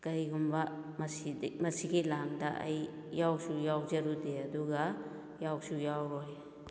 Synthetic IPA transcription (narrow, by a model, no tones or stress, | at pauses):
kɐjɡumbɐmsimɐsiɡilaŋdɐʔa̰jː | awsujawd͡ʒɐɾudeɐduɡa | jawsujawɾɔj